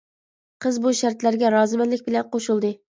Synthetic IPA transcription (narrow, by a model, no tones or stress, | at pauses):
qʰəzbuʃæɾt̪læɾɡʲɛɾɑːzɨmɛnlɪkʲbɪlɛnqoʃulˠd̪ɨ